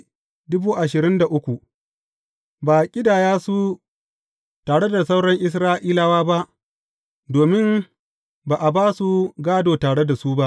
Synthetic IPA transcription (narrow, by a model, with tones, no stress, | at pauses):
dʊ˦buː˦ʔa˨ʃɪ˨ɾɪ˦nda˨ʔʊ˦kʷu˨ | baː˨kʲʼɪ˦daː˨jaː˦su˦ | taː˨ɽe˦da˨sa˦wɽɐ˦ŋʔɪ˦s̬ɾaː˦ʔiː˦la˨waː˦ba˦ʔ | doː˨mɪ˦m | baː˨ʔa˨baː˦su˦ɡaː˦doː˨taː˨ɽe˦da˨su˦ba˦ʔ